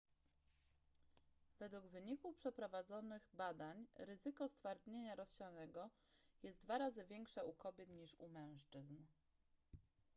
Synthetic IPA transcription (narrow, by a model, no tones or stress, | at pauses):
vɛd̪wuɡvɘɲikupʂɛpɾɔvad̪zɔnɘɣbad̪aɲɾɘzɘkɔst̪faɾd̪ɲeɲaɾɔst͡ɕanɛɡɔ | jɛst̪d̪vaɾazɘvʲjɛŋkʂɛukɔbʲjɛt̪ɲiʂumɛ̃w̃ʂt͡ʂɘzn